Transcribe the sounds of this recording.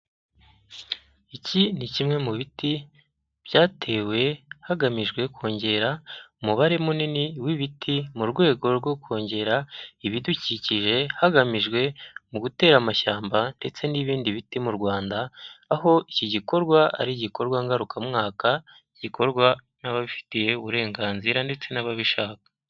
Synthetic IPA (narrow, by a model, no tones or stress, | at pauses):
icinicimŋe̞muβiti | b̥jaːtʰe̞we̞haɡamiʒɡwe̞ko̞ːɲɟe̞ɾaumuβaɾe̞muniniwiβitʰimuɾɡwe̞ːɡo̞ɾɡo̞ko̞ːɲɟe̞ɾaiβiduciːciʒe̞haɡamiʒɡwe̞muɡute̞ːɾamaʃaːmbande̞t͡se̞niβiːndiβitimuɾɡwaːndaːho̞iciɟiko̞ɾɡwaa̰ɾiɟiko̞ɾɡwaŋɡaɾukʰamŋaːka | iɟikʰo̞ɾɡwa | naβaβifi̥tije̞uβuɾe̞ːŋɡaːnziɾande̞t͡se̞naβaβiʃaːkḁ